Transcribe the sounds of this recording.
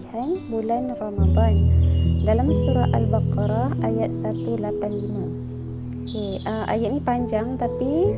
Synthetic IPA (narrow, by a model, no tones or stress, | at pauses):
hanbulanrɔmad̪ɔndalamsuɾaalbakɾɑajat̪̚sat̪ulapanlima | ke | əʔa̰jat̪̚nipaɲd͡ʒaŋt̪api